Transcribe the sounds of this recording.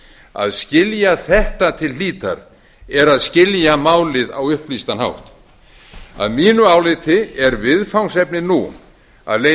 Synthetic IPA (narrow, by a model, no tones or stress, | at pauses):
a̰ðscɪljaθɛht̪at̪ʰɪlliːt̪a̰ɾ | ɛɾaðscɪljamaːwlɪða̰wʏhplist̪anha̰wht̪ | a̰ðmiːnʏaːwlɪt̪ʰɪɛɾvɪðfawnsɛpnɪnu | a̰ðle